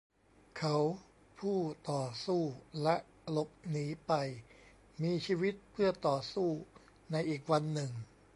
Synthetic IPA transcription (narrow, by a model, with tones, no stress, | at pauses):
kʰa˦˥w | pʰuː˥˩t̪ɔː˨˩suː˥˩lɛ˦˥ʔ | lo˦˥p̚niː˩˦pa˧j | miː˧t͡ɕʰiː˧wi˦˥t̪̚pʰɯ˥˩ɐt̪ɔː˨˩suː˥˩ | na˧jʔiː˨˩k̚wa˧nːɯ˨˩ŋ